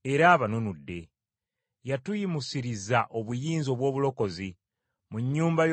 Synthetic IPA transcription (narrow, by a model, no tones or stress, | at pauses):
e̞ɾaːβanonudːe̞ | jatujimusiɾizaʔo̞βujiːnzo̞ːβwo̞ːβulo̞ko̞zi | muɲːuːmbaj